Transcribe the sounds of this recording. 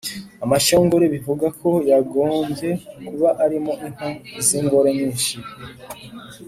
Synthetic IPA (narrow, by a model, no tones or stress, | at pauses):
amaʃoːŋɡoɾeβivuɡakʰo̞jaɡo̞ːmbje̞kuβaʔaɾimo̞ʔiŋ̥haziŋɡoɾeɲiːnʃi